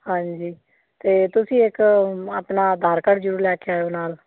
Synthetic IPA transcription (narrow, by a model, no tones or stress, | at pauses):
hãːɲd͡ʒiː | t̪eːt̪ʊsĩːɪkaːpnaːd̪ʱaːɾkəɽd͡ʒəɾuːɾlɛːkʰeaːoːnaːl